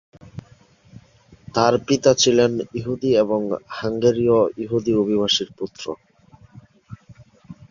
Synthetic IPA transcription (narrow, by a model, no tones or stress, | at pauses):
t̪aɾpit̪at͡ɕʰileniɦud̪ieboŋhaŋɡeɾioiɦud̪iobʱibaʃiɾput̪ːɾo̰